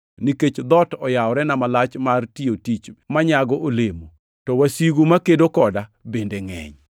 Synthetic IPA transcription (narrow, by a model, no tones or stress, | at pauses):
niket͡ʃd̪ɔtɔjaɔɾɛnamalat͡ʃmartiotit͡ʃmaɲaɡɔʔolemo | tɔwasiɡumakedokɔdabendeŋɛ̰ɲ